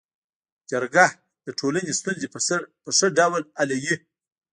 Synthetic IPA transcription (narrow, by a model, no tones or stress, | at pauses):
d͡ʒaɾɡah | d̪̥əʈʰolanest̪unzeəpəʂəɖawlalaji